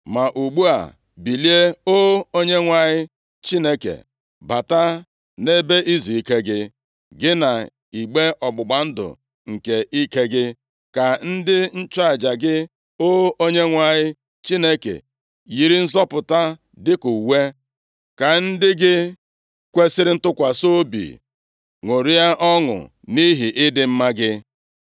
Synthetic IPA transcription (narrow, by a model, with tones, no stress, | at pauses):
ma˨ʔu˨ɡ͡bu˦a̰˨ | bi˨li˦e˦o˦o˦ɲe˦ŋʷa˨ɲɪ˦ | t͡ʃi˦ne˦kḛ˨ | ba˨ta˦ | ne˦be˦ʔi˦zu˨i˦ke˦ɡɪ˦ | ɡɪ˦na˨ | i˨ɡ͡be˦ʔɔ˨ɡ͡bʊ˨ɡ͡ba˨n̩˦dʊ̰˨ | ŋ̩˨ke˨ʔi˦ke˦ɡɪ˦ | ka˨n̩˦dɪ˦n̩˦t͡ʃa˨d͡ʒa˨ɡɪ˦ | o˦o˦ɲe˦ŋʷa˨ɲɪ˦ | t͡ʃi˦ne˦kḛ˨ | ji˨ɾi˦n̩˦zɔ˦pʊ˨ta˦ | dɪ˦ku˨we˦ | ka˨n̩˦dɪ˦ɡɪ˦ | kʷe˦sɪ˦ɾɪ˦n̩˦tʊ˦kʷa˨so˦bḭ˨ | ŋʷo˨ɾi˦ja˦ʔɔ˦ŋʊ̰˨ | ni˦ɦi˨ʔɪ˦dɪ˦m̩˦ma˦ɡɪ˦